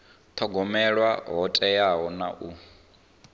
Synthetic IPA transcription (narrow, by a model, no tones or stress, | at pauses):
t̪ʰɔɡɔmɛɺwaɦɔtʼɛjaɦɔnaʔu